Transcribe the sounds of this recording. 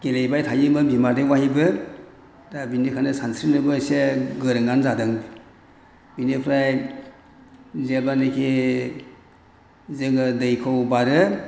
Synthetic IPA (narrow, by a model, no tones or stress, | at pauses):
ɡ̥elejbajtʰajɯmɯbimadɯwahibɯ | dabinikʰanɯsansɾinɯbɯseɡɯɾɯŋanzadɯŋ | binipʰɾaj | zelbanɯkʰi | zeŋɯdɯjkʰɯwbaɾɯ